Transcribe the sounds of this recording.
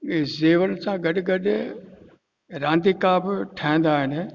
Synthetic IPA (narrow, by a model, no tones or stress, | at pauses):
zeːʋəlsãɡɐɗɪɡɐɗɪ | ɾãːnd̪ikaːbɪʈʰaɦĩnd̪aːɦɪn